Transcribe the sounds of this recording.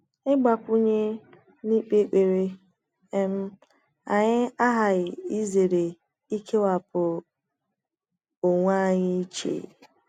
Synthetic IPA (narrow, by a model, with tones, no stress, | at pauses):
ɪ˦ɡ͡ba˨pʊ˦ɲe˦ | ni˦k͡pe˦k͡pe˨ɾe˦ | e˦m̩˦ | a˨ɲɪ˦a˦ɦa˨ɣɪ˨i˦ze˨ɾe˨ | i˦kʰe˦wa˨pʊ˨ | o˨ŋʷa˦˨ɲɪ˦i˦t͡ʃḛ˨